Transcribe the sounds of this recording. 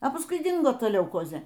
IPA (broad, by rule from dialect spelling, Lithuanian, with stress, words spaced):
ɐ pɐsˈkʊɪ ˈdʲɪŋɡoː ˈtɐ lʲɛʊˈkoːzʲeː